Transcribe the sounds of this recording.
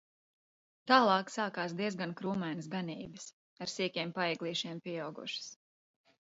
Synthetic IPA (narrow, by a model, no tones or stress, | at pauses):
t̪aːlˠɑːksaːkaːsd̪iɛzɡankɾuːmajnəs̬ɡaniːbɨs | aɾsiɛkʲiɛmpaɛɡlˠiːʃiɛmpʲiɛawɡṵʃə̥s